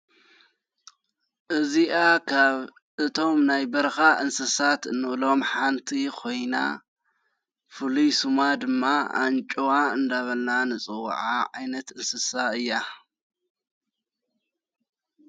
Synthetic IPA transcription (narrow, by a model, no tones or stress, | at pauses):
ʔɨziʔakʰaβ | ʔɨt̪ʰo̞mnajbɐɾxaʔɨnsɨsat̪ɨnːɨβlo̞mħant̪ʰikʰo̞jna̰ | fɨlusumad̪ɨmːaa̰nt͡ʃʼowaɨnd̪aβɐlnanɨt͡sʼɨw̰ːʕaʕajnɐt̪ɨnsɨsaɨjːa